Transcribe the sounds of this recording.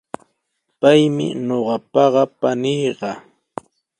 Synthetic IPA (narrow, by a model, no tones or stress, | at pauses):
pajmɪ̰ɲoɢɑpɑɢɑpanɪjɢɑ